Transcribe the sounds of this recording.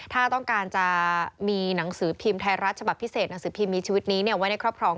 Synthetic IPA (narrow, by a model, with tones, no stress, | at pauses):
t̪ʰaː˥˩t̪ɔ˥˩ŋkaː˧nt͡ɕa˨˩ʔmiː˧na˩˦ŋsɯː˩˦pʰiː˧mt̪ʰa˧jɾaː˦˥˩t̪̚t͡ɕʰba˨˩pʰːi˦˥seː˨˩t̪̚na˩˦ŋsɯː˩˦pʰiː˧mːiː˧t͡ɕʰiː˧wi˦˥t̪̚niː˦˥ni˥˩ɐwa˦˥na˥˩jkʰɾɔ˥˩p̚kʰɾɔː˧